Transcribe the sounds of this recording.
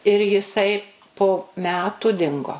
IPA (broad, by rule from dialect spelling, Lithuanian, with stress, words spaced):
ɪr jɪˈsɐɪ poː ˈmʲæːtʊ ˈdʲɪŋɡoː